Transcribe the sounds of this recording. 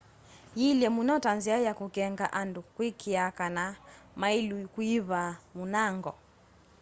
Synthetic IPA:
jilɛmunatanziajakukɛŋɡaʔandukwikiakanamailwikuiβamunaŋɡɔ

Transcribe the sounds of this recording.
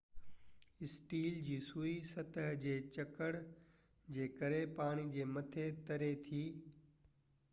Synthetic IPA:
ɪsʈiːld͡ʑiːsuːisɐt̪əɦd͡ʑeːt͡ɕɐkəɽ | d͡ʑeːkəɾepaːɽ̃id͡ʑeːmɐt̪ʰet̪ɐɾet̪ʰiː

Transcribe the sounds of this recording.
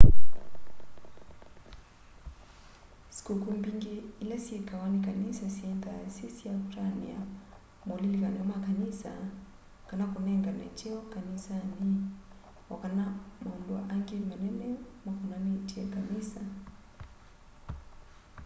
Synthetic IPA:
si̥kukumbiŋɡiilɛsiɛkawanikanisasiɛntasisiatanḭa̰ | mɔlilikanamakanisa̰ | kanakunɛŋɡana̰tiɔkanisani | wakanamaundua̰ʔaŋɡimanɛnɛmakunanitiɛkanisa

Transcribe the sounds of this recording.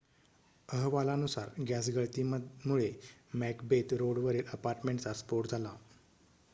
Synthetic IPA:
əɦʋalanusaɾɡasɡəɭt̪imuɭemækbet̪ɾoɽʋəɾeɾəpaɾʈmeɳʈt͡saspoʈd͡zʱala

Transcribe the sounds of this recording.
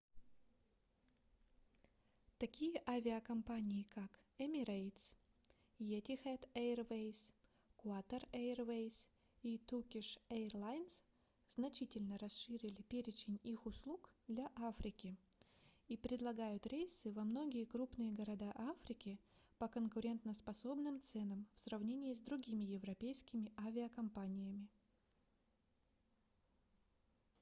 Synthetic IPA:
t̪ɐkʲijəʔavʲɪɐkɐmpanʲɪjɪkakɛmʲɪɾejt̪s | jetʲɪxɛt̪ervejs | kuat̪ərervejs | it̪ukʲɪʂerlˠajns | z̥nɐt͡ɕitʲɪlʲnəɾɐsʂɨɾʲɪlʲɪpʲeɾʲɪt͡ɕɪnʲixʊslˠukd̪lʲaʔafɾʲɪkʲɪ | ipɾʲɪd̪lˠɐɡajʊt̪ɾʲejsɨvɐmno̞ɡʲɪjəkɾupnɨjəɡəɾɐd̪aʔafɾʲɪkʲɪpəkənkʊɾʲe̞nt̪nəspɐso̞bnɨmt̪sɛnəmfsrɐvnʲenʲɪɪzd̪ɾʊɡʲimʲɪjɪvɾɐpʲejskʲɪmʲɪʔavʲɪəkɐmpanʲɪjəmʲɪ

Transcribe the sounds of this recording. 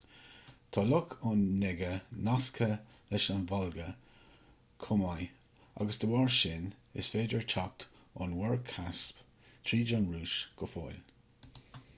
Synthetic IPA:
t̪ʰɔlʊkʰʊnːɛɡənaskʰə | lɪʃanvɔlɡə | kʰʊmaj | a̰ɡəsd̪əwaɹʃɪnɪ̰sfeːdəɹt͡ʃʰak̚t̪ | ɔ̰nwɛɹkʰasp | t̪ʰɹiːd͡ʒɔnɹuːʃɡ̥ɔfojl

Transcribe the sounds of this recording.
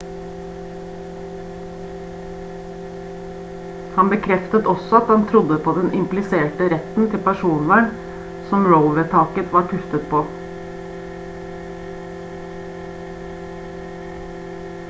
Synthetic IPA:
hɑnbəkʰɾɛft̪ət̪ɔsɔɑt̪̚ɑnt̪ʰɾʊd̪əpʰoːd̪ɛnʔɪmplɪseːʈəɾɛt̪n̩t̪ʰɪlpæʃuːnʋæɳ | sɔmɹəʊʋət̪ʰɑːkət̪ʰʋɑːɾpʰʉft̪ət̪̚pʰoː

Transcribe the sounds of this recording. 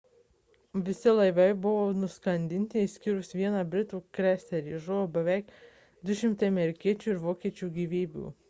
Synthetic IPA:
ʋʲɪsʲɪlˠɐɪʋɐɪbʊʋoːnʊskɐnʲd̪ʲɪnʲt̪ʲɪsʲkʲɪɾʊsʋʲiɛnɑbʲɾʲɪt̪uːkɾʲæsʲt̪ʲɛɾʲiːʒʊʋoːbʲɛʋʲɛˑɪk | d̪ʊʃʲɪmt̪ɐɪɐmʲɛɾʲɪkʲiɛt͡ʃʲuːɪɾʋoːkʲiɛt͡ʃʲuːɡʲiːʋʲiːbʲṵː

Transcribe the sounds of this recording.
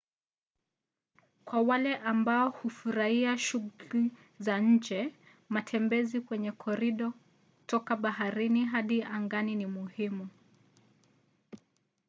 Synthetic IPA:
kwawalɛʔambaɔhufuɾaiaʃuɣuli | zaɲ̩d͡ʒɛ | matʰɛmbɛzikwɛɲɛkʰɔɾiɗɔ | utɔkaɓahaɾiniɦaɗiaŋɡaninimuhimu

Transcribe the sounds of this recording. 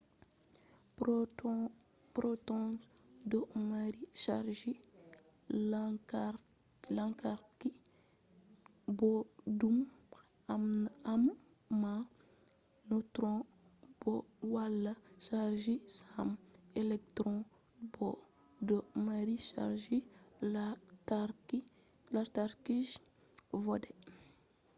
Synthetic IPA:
pɾotɔ̃sdɔmaɾiʃaɾʒi | ka | lãŋkaɾki | bɔdum | amnamː | a | nutɾɔ̃ | b̥ɔwalːɐʃaɾʒisamelek̚tɾɔ̃ | bɔ | dɔmaɾiʃa̰ɾʒi | taki | lataɾkiʒ | vɔdɛ

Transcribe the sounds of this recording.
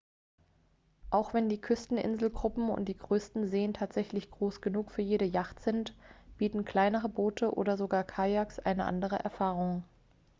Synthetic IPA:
ʔaʊxv̥ɛndiːkʰʏstn̩ʔɪ̰nzl̩ɡʁʊpm̩ʊ̰nt̚d̥iːɡʁøːstn̩zeːəntʰaːtz̥ɛçlɪçɡ̥ʁoːsɡ̥ənuːkfyːɐjeːɾəjaχtz̥ɪntb̥iːtn̩kl̥aɪnəʁ̞əboːtʰəʔo̰ːdɐzoɡaːɐkʰajaksʔa̰ɪnəʔa̰ndəʁ̞əʔɛ̰ɐfaːʁ̞ʊŋ

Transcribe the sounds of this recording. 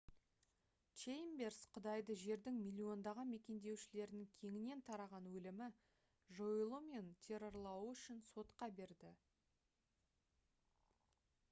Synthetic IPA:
t͡ʃejmbe̞rsqʰəd̪ɑjd̪əʒe̞ɾd̪ɪŋmʲilʲːio̞nd̪ɑʁɑnme̞kʲe̞nd̪e̞wʃɪle̞ɾɪnɪŋkʲʰe̞ŋɪne̞nt̪ʰɑɾɑʁɑnwɵlɪmɪ | ʒojlˠəme̞nt̪ʲʰe̞ɾo̞ɾlˠɑwəʏʃɪnso̞t̪qɑbe̞ɾd̪ɪ

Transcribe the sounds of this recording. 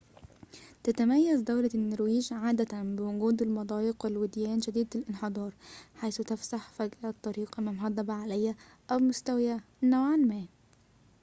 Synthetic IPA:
t̪æt̪æmæjːæzd̪æwlænːoɾwiːʒʕaːd̪æt̪ænbɪwʊɡuːd̪ɪlmɑd̪ˤɑːjɪqwɪlwɪd̪jæːnʒæd̪iːd̪fɪlʔɪnħed̪ˤɑːɾˤħajθt̪æfsaħfæɡʔæt̪ˤːɑɾiːqmæmɦɑd̪ˤːɑbaʕalæjːæ | ʔæwmʊst̪æwjæ | næwʕanmæː

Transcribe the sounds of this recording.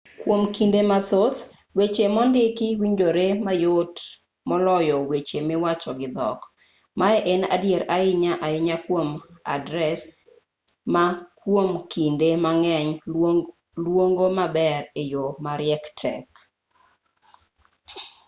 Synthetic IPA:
kwomkindemat̪ot̪ | wet͡ʃemɔndɪkɪwiɲd͡ʒoɾemajot | mɔlɔjɔwet͡ʃemewat͡ʃɔɡɪd̪ɔ̰k | maɛʔena̰djeɾaɪɲaʔaɪɲakwoma̰dɾɛs | makwomkindemaŋɛɲ | lwoŋɡomabɛɾejomaɾɪɛktʰɛ̰k

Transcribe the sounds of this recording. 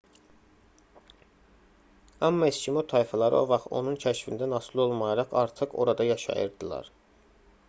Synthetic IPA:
ɑmːɑescʰimot̪ʰɑjfɑlˠɑɾḭo̞̰vɑχt̪o̞̰nuncʰæʃfind̪ænɑsilˠo̞lˠmɑjɑɾɑχɑ̰ɾt̪ʰɯqo̞ɾɑd̪ɑjɑʃɑ̰jɯ̰ɾd̪ilˠɑ̰ɾ

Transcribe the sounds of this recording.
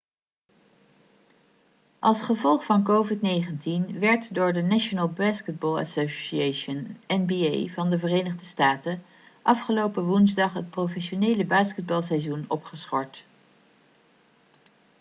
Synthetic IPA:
ʔɑlˠsχəvɔlˠχfɑnkowvɪtnejχəntinʋɛɹtdʊːɹdənaʃonəlˠbaːskəd̚bɔːlˠə̰soʃieʃənɛnbiḛjvɑndəvərejnəχdəstaːtə | ʔɑfχəlowpəʋunzdɑχɦət̚prowfɛʃonejləbaːskəd̚bɑlˠsɛjzunɔpχəsχɔɹt

